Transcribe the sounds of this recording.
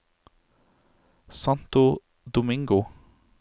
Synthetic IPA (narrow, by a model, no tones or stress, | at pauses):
sɑnt̪ʊ | d̪ʊmɪŋɡʊ